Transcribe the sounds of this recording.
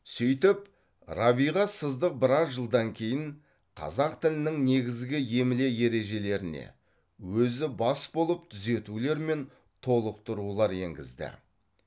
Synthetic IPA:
sʏjt̪ɪp | ɾɑβijʁɑsəzd̪əq̚bɪɾɑsʒəlˠd̪ɑŋkʲʰe̞jɪɴ | qʰɑ̰zɑqt̪ʰɪlɪnɪŋne̞ɡʲɪzɡʲɪje̞mɪle̞je̞ɾe̞ʒe̞le̞ɾɪne̞̰ | wɵzɪbɑsbo̞lˠəp̚t̪ʰʏze̞t̪ule̞ɾme̞n | t̪ʰo̞lˠəq̚t̪ʰʊɾulˠɑɾe̞̰ŋɡʲɪ̰zd̪ɪ̰

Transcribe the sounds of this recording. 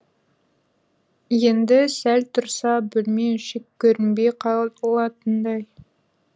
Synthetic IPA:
jend̪ɪsælt̪ʰʊɾsɑbɪlmeʃɪkːʲɵɾɪmbejqʰɑolˠɑt̪ənd̪ɑj

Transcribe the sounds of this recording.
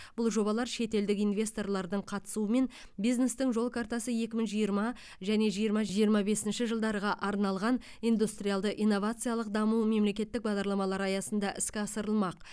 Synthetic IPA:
b̥ʊlˠʒo̞bɑlˠɑɾʃe̞t̪e̞ld̪ɪkijnvʲe̞st̪o̞rlˠɑɾd̪əɴqʰɑt̪ə̥suəme̞n | bijzne̞st̪ɪŋʒo̞lˠkʰaɾt̪ɑsəje̞kʲɪmɪŋʒijəɾmɑ | ʒæne̞ʒijəɾmɑʒijəɾmɑbe̞sɪnʃɪʒəlˠd̪ɑɾəʁɑʔɑɾnɑlˠʁɑn | ijnd̪ust̪rijalˠd̪əʔijnːo̞vat̪sɨjalˠəq̚d̪ɑmume̞mle̞kʲe̞t̪ːɪk̚bɑʁd̪ɑɾlˠɑmɑlˠɑɾɑjɑsənd̪ɑʔɪskʲɪɑsəɾəlˠmɑq̚

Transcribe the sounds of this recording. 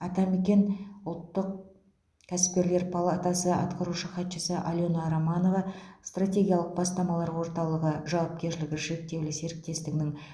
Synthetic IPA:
ɑt̪ɑme̞kʲe̞nʊlˠt̪ːəq̚ | kʲʰæsɪ̥p̚kʲe̞ɾle̞ɾpʰalˠat̪asəɑ̰t̪qɑɾuʃəχɑt̪ʃəsəʔalʲjo̞nɑɾamɑno̞vɑst̪rat̪ʲe̞ɡʲijaɑlˠəq̚bɑst̪ɑmɑlˠɑɾwo̞ɾt̪ɑlˠəʁəʒɑwɑp̚kʲe̞ɾʃɪlɪɡʲɪʒe̞k̚t̪e̞wlɪse̞ɾɪk̚t̪e̞st̪ɪɡʲɪnɪŋ

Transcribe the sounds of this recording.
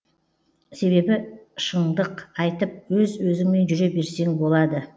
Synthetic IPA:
se̞βe̞bɪʃəɴd̪əqɑjt̪əp̚wɵzwɵzɪŋme̞nʒʏɾe̞be̞ɾse̞ŋbo̞lˠɑd̪ə

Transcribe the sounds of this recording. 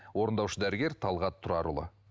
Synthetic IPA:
wo̞ɾənd̪ɑwʃəd̪æɾɪɡʲe̞ɾt̪ʰɑlˠʁɑt̪ʰːʊɾɑɾṵlˠə̰

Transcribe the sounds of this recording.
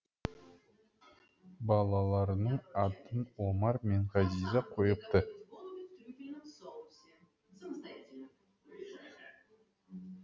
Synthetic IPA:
bɑlˠɑlˠɑɾənəɴɑt̪ənomɑɾmeɴʁɑzizɑqʰojəp̚t̪ə

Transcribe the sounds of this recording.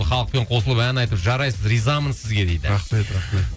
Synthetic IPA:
χɑlˠəq̚pe̞ɴqʰo̞səlˠəpænɑjt̪əpʒɑɾɑjsəzɾizɑmənsɪzɡʲe̞d̪ejd̪ɪɾɑχmet̪ɾɑme

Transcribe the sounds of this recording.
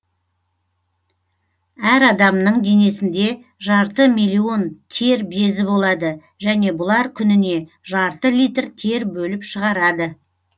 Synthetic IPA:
æɾɑd̪ɑmnəɴd̪ene̞sɪnd̪e̞ | ʒɑɾt̪əmijlʲːio̞nt̪ʰe̞ɾbe̞zɪbo̞lˠɑd̪ə | ʒæne̞bʊlˠɑɾkʲʰʏnɪne̞ | ʒɑɾt̪əlijt̪rt̪ʰe̞ɾbɵlɪpʃəʁɑɾɑd̪ə

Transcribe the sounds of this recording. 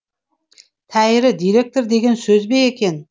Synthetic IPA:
t̪ʰæjɾɪd̪ijɾe̞k̚t̪oɾd̪e̞ɡʲe̞nsɵzbejekʲʰe̞n

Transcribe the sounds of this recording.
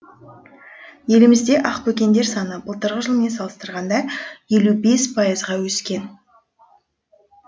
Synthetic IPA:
je̞lɪmɪzd̪e̞ʔɑqpʰɵkʲe̞nd̪e̞ɾsɑnəbəlˠt̪əɾʁəʒəlˠme̞nsɑlˠəst̪əɾʁɑnd̪ɑje̞lube̞spʰɑjəzʁɑwɵskʲe̞n

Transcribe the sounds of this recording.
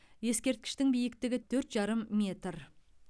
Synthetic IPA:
je̞skʲe̞ɾt̪̚kʲɪ̥ʃt̪ɪŋbijɪkt̪ɪɡʲɪt̪ʰɵɾt̪ʒɑɾəmːʲe̞t̪r

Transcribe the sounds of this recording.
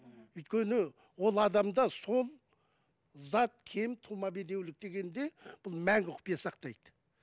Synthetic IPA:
ʏjt̪kʲʰe̞nɪ | wo̞lˠɑd̪ɑmd̪ɑso̞lˠ | zɑt̪̚kʲʰe̞mt̪ʰumɑbed̪e̞wlɪk̚d̪e̞ɡʲe̞nd̪e̞b̥ʊlˠmæŋɡʲɪqʰʊ̥pijɑsɑqt̪ɑjd̪̥ə

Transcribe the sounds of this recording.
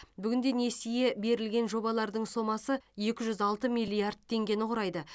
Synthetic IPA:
bʏɡʲɪnd̪ene̞sije̞be̞ɾɪlɡʲe̞nʒo̞bɑlˠɑɾd̪əɴso̞mɑsəje̞kʲɪʒʏzɑlˠt̪əmijlʲiard̪̚t̪ʰːe̞ŋɡʲe̞nɪqʰʊɾɑjd̪ə

